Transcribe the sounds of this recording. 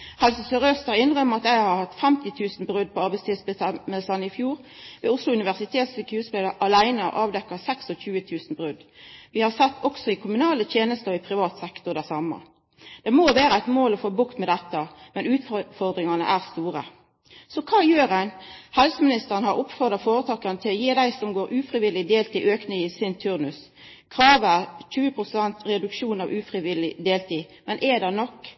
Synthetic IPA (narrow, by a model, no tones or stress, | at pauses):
hɛlsəsœʁøst̪ɑɪnʁœmːəʁɑt̪æɪhɑɾhɑt̪ːfɛmt̪ɪt̪ʰʉːsn̩bʁʉd̪̚pʰɔɑʁbæɪst̪ʰɪlsbməlsɑnəɪfjuːʁʋeːʊslʊʉnɪʋæʁsɪt̪ʰeːt̪sɪkʰʉːʁsped̪əʔɑlæɪnəɔ̰ʔɑːʋd̪ɛkːɑsɛksɔc͡çʉːət̪ʰʉːsn̩bʁʉd̪ʋɪhɑʁsɛt̪ːɔksɔɪkʰʊmʉnɑːlət̪ʰjeːnəst̪əɪpʰʁɪʋɑːt̪sɛkt̪ɔʁd̪æsɑmə̰ | d̪̥ɛmoːʋæːɾəæɪt̪moːlɔfoːbʊkt̪mɛd̪ɛt̪ːəmɛnʉːt̪ffɔʁd̪ɾɪŋɑnə̰ʔæːʁst̪uːɾə̰ | sɔkʰɑːjøːɾənhɛlsəmɪnɪst̪əʁənəhɑɾʊpːfɔʁd̪ʁɑfoːɾət̪ʰɑːkɑnət̪ʰɪlɔjeːd̪æɪsɔmɡoːɾʉːfɾɪʋɪlɪd̪eːlt̪ʰiːʔøːknɪŋɪsɪnt̪ʰʉʁnʉs | kʰʁɑːʋæʁc͡çʉːəpʰʁʊsɛnt̪ɾɛd̪ʉkʃuːnɑʋʉːfɾɪʋɪlɪd̪eːlt̪ʰiːmɛnʔɛd̪ɛnɔkː